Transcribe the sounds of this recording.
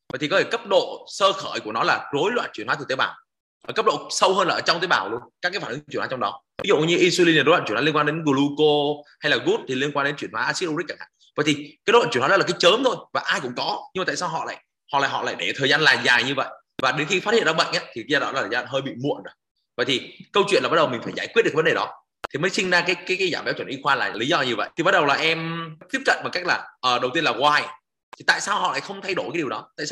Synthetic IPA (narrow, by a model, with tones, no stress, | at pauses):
və̰ː˧˨t̪ʰi˨kɔ˨˦t̪ʰe˧˩kə˦˥p̚ɗo̰˧˨səː˧xəː˧˩jku˧˩ənɔ˨˦laː˨˩zo˨˦jlwa̰ː˧˨nt͡ɕwi˧˩ənwaː˨˦t̪̚ʰːt̪e˨˦ɓaː˨˩w | ʔəː˨˩kə˦˥p̚ɗo̰˧˨sə˧whəː˧nlaː˨˩ʔəː˧˩t͡ɕɔ˧wŋ͡mt̪eː˨˦ɓaː˨˩wlu˧ənkaː˦˥kaː˨˦faː˧˩nɨ˨˦˧wwaː˨˦t͡ɕɔ˧ŋ͡mɗɔ˨˦vi˨˦zṵ˧˨ɲɨ˧ʔi˧swi˧li˧nː˨˩˨jwa̰ː˧˨t͡ɕwi˧nkwaː˧ɗe˨˦nɣu˧˩lu˧ko˧ha˧jlaː˨˩ɣu˦˥t̚t̪ʰi˨˩li˧ənkwa˧nɗe˨˦nt͡ɕwi˧˩ənhwaː˨˦ʔaː˧si˦˥t̚ʔo˧i˦˥k̚kaː˧˩ŋha̰ː˧˩və̰˧˨jt̪ʰi˨˩kaː˨˦l̰ːt͡ɕi˧˩˨hɔ˨˦lːkːaː˨˦jt͡ɕəː˨˦mt̪ʰo˧jvaː˨˩ʔaː˧jkʊ̰˧˥ŋ͡mkɔ˨˦ɲɨ˧ma˨˩t̪aː˧˨saː˧wɦɔ̰˧˨la̰ː˧˨j | hɔ̰˧˨la̰ː˧˨˩ɦɔ̰˧˨la̰ː˧˨jɗe˧˩t̪ʰəː˨˩jzaː˧nlaː˨˩zaː˨˩ɲɨ˧və̰˧˨j | vaː˨˩ɗe˨˦nxi˧fa˦˥t̚hḭ˧˨nza˧ɓə̰˧˨ŋʔaː˨˦t̪ʰi˨kzaː˧˩ɗɔ̰˨˦laː˨˩əː˨˩zaː˧˩nɦəː˧jɓḭ˧˨mṵ˧˨ənzəː˨˦ | və̰˧˨jt̪ʰi˨˩kə˧wt͡ɕwḭ˧˨nlːa˨˩ɓ̚ɗə˨˩wmï̟˨˩faː˧˩jzaː˧˩jkwt̚ɗvɗe˨˩ɗɔ˨˦˨ | t̪ʰi˨˩məː˨˦jsi˧ŋzaː˧kaː˨˦jkaː˨˦jkaː˨˦jzaː˧˩mɓɛ˨˦wt͡ɕə˧˩nʔi˧xwaː˧laː˨˩li˨˦zɔ˧˨ɲɨ˧və̰˧˨jt̪ʰi˨˩ɓa˦t̚ɗə˨˩wlaː˨˩ʔɛ˧mt̪i˦˥əp̚kə̰˧˨nɓa˨˩ka˦˥k̟̚laː˨˩ʔəː˨˩ɗə˨˩wt̪i˧ənlaː˨˩ɣwaː˧j | tt̪ʰi˨˩t̪a̰ː˧˨jsaː˧wɦɔ̰˧˨la̰ː˧˨jxə˧wŋ͡mt̪ʰa˧jɗo˧˩jka˨˦i˨˩əwɗɔ˨˦t̪a̰ː˧˨jsa˧